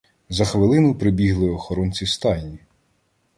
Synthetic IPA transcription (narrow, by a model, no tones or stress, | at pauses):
zɐxʋɪlˠɪnʊpɾɪbʲiɦlˠɪɔxɔɾɔnt͡sʲist̪ɑnʲːi